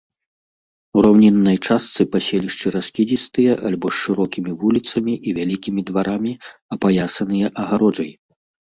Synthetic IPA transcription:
uɾawnʲɛnːɐjt͡ʂast̪sɨpasʲelʲiʂt͡ʂɨɾaskʲid͡zʲist̪ɨjɐʔalʲbɔsʂɨɾɔkʲimʲivulʲit̪sɐmʲiʔivʲalʲikʲimʲid̪vaɾamʲiɐpajasɐnɨjɐʔɐɣaɾɔd͡ʐɐj

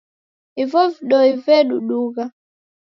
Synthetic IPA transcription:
ivɔviɗɔivɛɗuɗuɣa

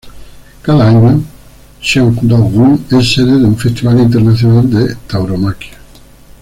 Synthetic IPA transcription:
kaðaaɲo | ʃaŋkd̪oɣuŋɛsseðeðuɱfest̪iβalint̪̬eɾnaθjonald̪et̪awɾomakja

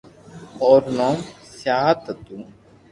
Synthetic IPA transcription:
ɔːɾnoːmsjaːɦt̪ɐt̪u

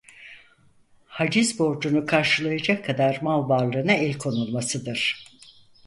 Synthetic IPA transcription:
had͡ʒizbo̞ɾd͡ʒunukʰaɾʃɯlˠajad͡ʒakʰːad̪aɾmalˠbaɾlˠɯːnaɛlʲkʰo̞nulˠmasɯd̪ɯɾ̥

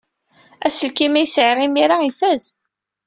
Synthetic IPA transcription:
æsəlkimæjsʕrˤimiɾaifæz

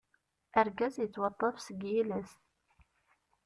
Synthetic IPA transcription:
æɾɡæzjət͡sːwɑt̪ˤːɑfsəɡjilæs

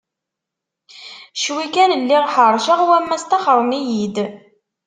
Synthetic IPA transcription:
ʃwikænəlːiʁħəɾˤʃəʁwæmːæst̪ɑχəɾˤmijid̪

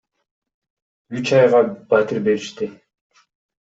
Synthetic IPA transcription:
yt͡ʃɑjʁɑb̥at̪iɾbe̞ɾiʃt̪ɪ

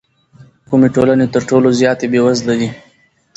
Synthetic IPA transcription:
kʊmeʈolanet̪əɾʈolozjɑːt̪ebewazlaɡi

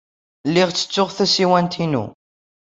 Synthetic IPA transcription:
lːɪʁt͡sːə̥t͡sːʊʁθæsiwænt̪ʰinṵ

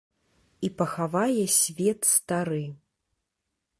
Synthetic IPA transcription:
ipɐxavajɛsʲvʲɛt̪st̪aɾɨ

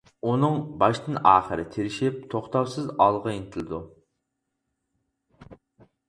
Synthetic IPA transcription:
unɨŋbɑʃt̪ɨnɑːχəɾɪ̰t̪ʰeɾɪʃip̚t̪ʰoχt̪ɑwsɨzɑlˠʁɑinɪt̪ʰɪlɨd̪u

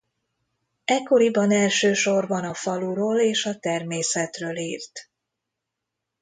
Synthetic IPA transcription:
ɛkːo̞ɾibɒnɛlʃøːʃo̞rbɒnɒfɒluɾoːleːʃɒt̪ɛrmeːsɛt̪røːliːrt̪

